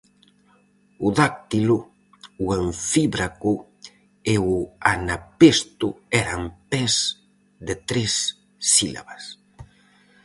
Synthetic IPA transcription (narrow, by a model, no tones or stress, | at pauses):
ʊðak̚t̪ilʊ | uaɱfiβɾakʊ | eʊanapest̪ʊɛɾampɛz | ðɪt̪ɾesː | ila̰βas